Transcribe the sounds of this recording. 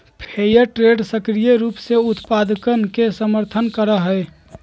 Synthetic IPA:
pʰejəʈɾeɖsəkɾijəɾuːpseut̪pad̪kənkesəməɾt̪ʰənkəɾəɦəe

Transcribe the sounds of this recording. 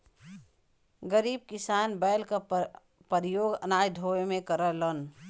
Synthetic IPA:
ɡəɾiːb̚kɪsaːnbəjlka | pəɾɪjoːɡə̰naːjd̪ʱoemẽkəɾələn

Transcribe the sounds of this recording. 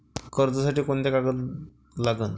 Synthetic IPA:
kəɾd͡z̪əsaʈiːkoɳt̪ekaɡət̪ | laɡən

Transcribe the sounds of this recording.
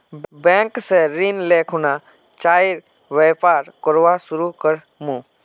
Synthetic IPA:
bɛ̃ːŋkseɾinleːkʰʊna | t͡ʃaːiɾ | ʋeːpaːɾkɔɾʋasʊɾukəɾ | mũː

